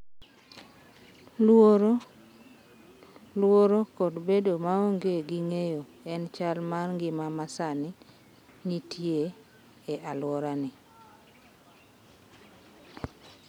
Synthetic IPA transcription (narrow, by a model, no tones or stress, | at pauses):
lwoɾ | lwoɾokɔdbedomaoŋɡeɡiŋejo | ɛnt͡ʃalmarŋɡɪmamasani | nitʰje | eʔalwɔɾanɪ